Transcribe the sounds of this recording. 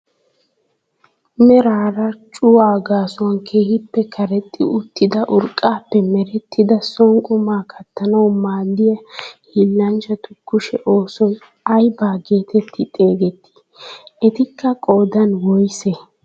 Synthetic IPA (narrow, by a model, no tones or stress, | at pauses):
mɛɾaːɾɐt͡ʃʼʊwaːɡaːsʊwɐnkʰe̞ːhɪpːɛkʰɐɾɛt̪ʼːɪ̰ʊt̪ːɪd̪ɐʔʊɾkʼːaːpːɛmɛɾɛt̪ʰːɪd̪ɐsɔŋkʼʊmaːkʰɐt̪ːɐnɐwmaːlːɪjɐhilːɐnd͡ʒɐt̪ʊkːʊʃɛʔoːsɔj | ɐjbaːɡe̞ːt̪ɛt̪ʰːɪt̪ʼe̞ːɡɛt̪ːɪ̥ | ʔɛt̪ɪkːɐkʼoːd̪ɐnwɔjsɛ